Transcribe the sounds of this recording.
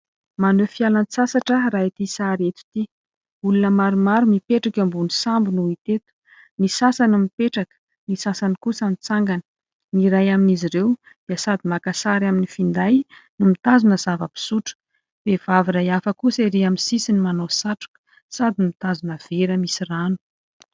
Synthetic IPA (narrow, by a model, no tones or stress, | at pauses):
manøfialansasaʈ͡ʂərait̪isaɾet̪u̥t̪i | ulunəmaɾumaɾumipeʈ͡ʂakambunisambinuit̪et̪u̥ | nisasanumipeʈ͡ʂakə̥ | nisasanikusanit͡saŋɡanə̥ | niɾajaminiziɾew | d̪̥iəsad̪imakasaɾaminifind̪ajnumit̪azunəzavəpi̥suʈ͡ʂə̥ | v̥ev̥aviɾajafəkusiɾiaminsisinimanosaʈ͡ʂu̥kə̥ | sad̪inmit̪azunəv̥eɾəmisiranu̥